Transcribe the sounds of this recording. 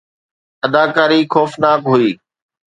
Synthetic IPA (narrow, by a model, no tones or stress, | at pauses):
əd̪aːkaːɾiːxɔːfnaːkɦʊiː